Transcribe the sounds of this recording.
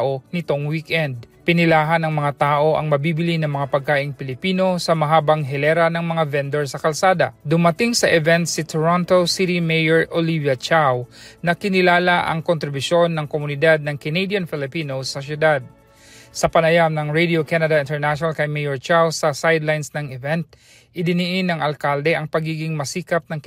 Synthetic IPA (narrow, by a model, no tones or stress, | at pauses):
ʔo̞nɪt̪o̞ŋwikʔɛnd̪̚pɪnɪlaːɦɐnɐŋmɐŋat̪aːʔo̞ʔɐ̰ŋmɐbiːbɪlinɐŋmɐŋapɐɡ̚kaːʔɪŋpɪlɪpiːno̞sɐmɐɦaːbɐŋɦɛlɛɾɐnɐŋmɐŋavɛnd̪ɛɹsɐkɐlsaːd̪ɐ̰d̪ʊmɐt̪ɪŋsɐʔɛvɛnt̪̚sɪt̪ʰoɹont̪osit̪imejɛɹʔolivjɐt͡ʃawnɐkɪnɪlaːlaʔɐ̰ŋkont̪ɾɪbʊʃo̞nːɐŋkomʊnɪd̪ad̪̚nɐŋkɛnejd̪jɐnfɪlɪpiːnosːɐsjʊd̪ad̪̚ | sɐpɐnɐjamnɐŋɹejd̪iokanɐd̪ɐʔɪnt̪ɛɹnaʃonalkɐjmɛjɛɹt͡ʃawsɐsajd̪lajnsnɐŋɛvɛnt̪̚ | ʔɪd̪ɪnɪʔɪnɐŋɐlkald̪ɛʔɐŋpɐɡiːɡɪŋmɐsiːkɐp̚nɐŋ